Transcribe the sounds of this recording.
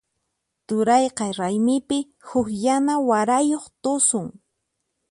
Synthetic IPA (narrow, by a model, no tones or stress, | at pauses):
t̪ʊɾɑjqɑɾajmɪpɪ | hʊkjanawaɾajoχt̪ʊsʊŋ